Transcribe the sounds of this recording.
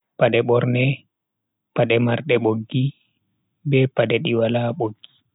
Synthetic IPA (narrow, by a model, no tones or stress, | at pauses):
paɗɛɓɔɾnɛ | paɗɛmaɾɗɛɓoɡːi | bɛpaɗɛɗiwalaɓoɡːi